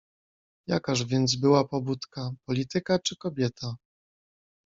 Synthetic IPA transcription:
jakaʐvʲjɛnd̪z̬bɘwapɔbut̪kapɔlʲit̪ɘkat͡ʂɘkɔbʲjɛt̪ʰa

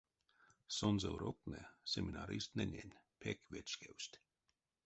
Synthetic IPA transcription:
sonzəwɾok̚nɛsɛminaɾist̪nɛnʲɛ̰nʲpʰɛkvet͡ʃkewsʲtʲ

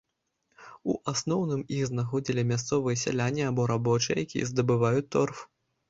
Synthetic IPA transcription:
ṵʔasnɔwnɨmixznaxɔd͡zʲilʲimʲast̪sɔvɨjɐsʲa̰lʲanʲːiabɔɾabɔt͡ʂɨjɛ̰jakʲḭjɛ̰zd̪ɐbɨvajut͡sʲt̪ːɔrf

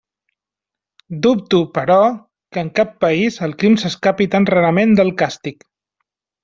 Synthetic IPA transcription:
d̪up̚t̪upəɾɔ | kəːŋkapːəizəlˠkɾimsəskapit̪anraɾəmend̪əlˠkast̪ik

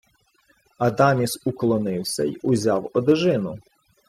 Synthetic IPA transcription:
ɐd̪ɑmʲisuklˠɔnɪwsʲɐ̰iʊzʲɑwɔd̪ɪʒɪnʊ

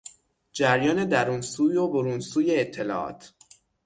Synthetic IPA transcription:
d͡ʒæɾjɒːne̞d̪æɾuːnsuːjoboɾuːnsuːjeːt̪ʰːe̞lɒ̰ːʔɒ̰ːt̪ʰ

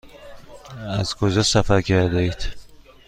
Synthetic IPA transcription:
æzkʰod͡ʒɒsæfæɾcʰæɾd̪eiːd̪̥

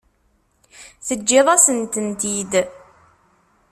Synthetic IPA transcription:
θəd͡ʒːɪðˤɑsənt̪ənt̪id̪

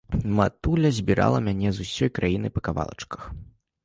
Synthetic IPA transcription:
mat̪ulʲɐzʲbʲiɾʔa̰lˠɐmʲanʲɛzusʲɔjkɾajinɨ̰pɐkava̰lˠɐ̰t͡ʂkɐ̥x

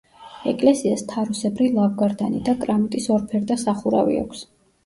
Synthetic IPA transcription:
ɛkʼlɛsiast̪ʰaɾusɛbɾilˠavɡaɾd̪anid̪akʼɾamit̪ʼisɔɾpʰɛɾd̪asaχuɾa̰vḭa̰kʷʰs

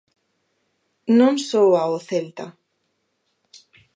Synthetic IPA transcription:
nõŋsowaoθelt̪a

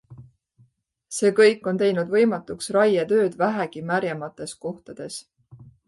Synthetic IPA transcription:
se̞ːkɤjkːˑo̞nt̪e̞jnud̪vɤ̞jmɑt̪ːˑuksrɑjɑt̪ø̞ːd̪væɦeɡimæɾjɑmɑt̪ːˑe̞sko̞ht̪ɑd̪̥e̞s

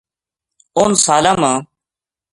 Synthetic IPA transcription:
oːnsaːlãːmãː

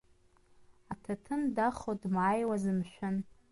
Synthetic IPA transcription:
atʰatʰɨndaχodmaːjwazɨmʃᶣʊn

